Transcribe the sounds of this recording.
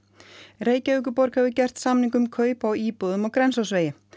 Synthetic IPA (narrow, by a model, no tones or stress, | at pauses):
reːjcaʏk̬ʏpɔɾkhɛvʏcɛr̥t̪samniŋk̬ʏmkʰœːɥpawiːpɔðʏmɔɣkɾɛnsawsveːjɪ